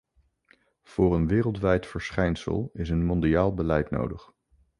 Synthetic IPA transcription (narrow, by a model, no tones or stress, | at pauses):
v̥ʊːrənʋɪːrəlˠtʋɛjtfəɹsχɛjnsə̰lˠɪs̬ənmɔndiaːlˠbəlɛjtno̰wdəχ